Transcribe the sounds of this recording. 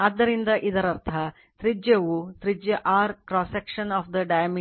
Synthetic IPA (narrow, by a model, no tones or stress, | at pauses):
ɐd̪ːɐɾind̪ɐʔid̪ɐɾɐɾt̪ʰɐ | t̪ɾid͡ʒjɐʋut̪ɾid͡ʒjɐʔaːɾkɾɔːsekʂɐnɔːfd̪ɐɖɐjɐmi